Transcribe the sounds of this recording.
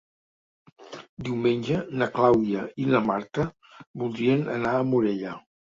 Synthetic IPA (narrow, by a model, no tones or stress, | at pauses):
d̪iwmenʲd͡ʒənəklawðiəiləmaɾt̪ə | bulˠd̪ɾiənə̰naːmuɾeʎə